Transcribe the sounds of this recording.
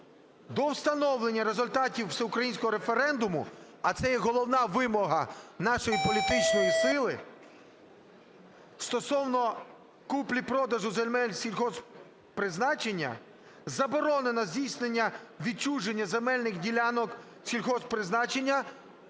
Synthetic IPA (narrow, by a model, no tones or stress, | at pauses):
d̪ɔwst̪ɐnɔwlˠe̞nʲːɐɾezʊlʲt̪ɑtʲiwseʊkɾɐjinʲsʲkɔɦɔɾe̞fe̞ɾɛnd̪ʊmʊ̰ | ɐt̪sɛjɛɦɔlˠɔwnɑʋɪmɔɦɐnɑʃɔjipɔlʲit̪ɪt͡ʃnɔjisɪlˠɪ | st̪ɔsɔwnɔ | kuplʲipɾɔd̪ɐʒʊzelʲmɛlʲsʲilʲxɔs | pɾɪznɑt͡ʃe̞nʲːɐ̰ | zɐbɔɾɔne̞nɔzʲdʲijsʲnenʲːɐʋʲid̪̚t͡ʃuʒenʲːɐzemɛlʲnɪxdʲilʲanɔk | sʲilʲxɔspɾɪznɑt͡ʃenʲːɐ